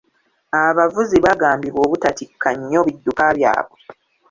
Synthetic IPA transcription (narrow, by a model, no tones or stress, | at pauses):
aβavuziβaɡaːmbiβo̞ːβutatikʰːaɲːo̞βidːukaβja̰ːβwe